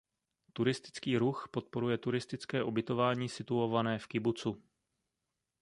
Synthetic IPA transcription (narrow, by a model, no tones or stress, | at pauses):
t̪uɾɪst̪ɪ̥t͡skiːɾuxpo̞t̪̚po̞ɾujɛt̪uɾɪst̪ɪt͡skɛːʔobɪt̪o̞vaːɲiːsɪt̪uo̞vanɛːfkɪbut͡su